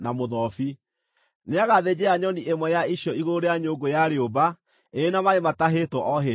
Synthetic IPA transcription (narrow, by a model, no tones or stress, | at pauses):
namoðɔfi | neaɣaðed͡ʑeaɲɔniʔemwɛjaiɕjɔiɣoɾeaɲoɡojaɾeoba | enamaemataɦetɔʔɔɦe